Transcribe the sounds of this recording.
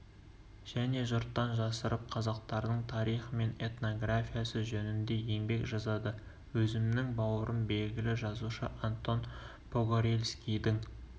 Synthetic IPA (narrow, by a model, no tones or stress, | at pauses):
ʒ̥æne̞ʒʊɾt̪ːɑnʒɑsəɾəp̚qʰɑzɑq̚t̪ɑɾd̪əɴt̪ʰɑɾijχəme̞ne̞t̪no̞ɡrafʲijasəʒɵnɪnd̪e̞je̞ŋbe̞kʒɑzɑd̪ə | wɵzɪmnɪŋbɑwəɾʔənbe̞lɡʲɪlɪʒɑzuʃəʔant̪ːo̞n | pʰoɡoɾelʲskʲijd̪ɪŋ